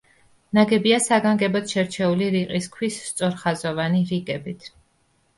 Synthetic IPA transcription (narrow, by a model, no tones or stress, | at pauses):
naɡɛbiasaɡaŋɡɛbɔt̪ʰʃɛɾt͡ʃʰɛuliɾiqʼiskʰwisːt̪sʼɔɾχazɔvaniɾiɡʼɛbit̪ʰ